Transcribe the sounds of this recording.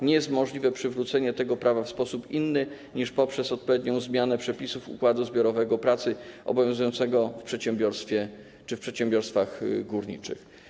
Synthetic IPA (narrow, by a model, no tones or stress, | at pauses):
ɲɛjɛst̪mɔʐlʲivɛpʂɘvɾut̪sɛɲɛt̪ɛɡɔpɾavafspɔsupinːɘ | ɲiʂpɔpʂɛsɔt̪̚pɔvʲjeɛd̪̚ɲɔ̃w̃zmʲjanɛpʂɛpʲisufṵkwad̪uzbʲjɔɾɔvɛɡɔpɾat̪sɘʔɔ̰bɔvʲjɔ̃w̃zujɔnt̪sɛɡɔfpʂɛt̪ɕɛmbʲjɔɾst̪fʲjɛ | t͡ʂɘfpʂɛt̪ɕɛ̃mbʲjɔɾst̪faɣɡuɾɲḭt͡ʂɘ̰x